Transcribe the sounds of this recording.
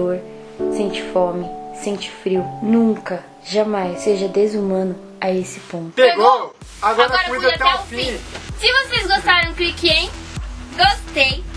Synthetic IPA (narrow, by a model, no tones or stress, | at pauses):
oɾ | sẽt͡ʃɪ̥fomɪsẽnt͡ʃɪ̥fɾiwnũŋkɐ | ʒamajseʒɐd̪ezumɐ̃nʊ | aesɪ̥põt̪ʃeɡo | aɡɔɾɐɾɐiut̪aaũfĩsɪvosezɡost̪aɾɐ̃w̃kɾikiẽj̃ɡost̪ej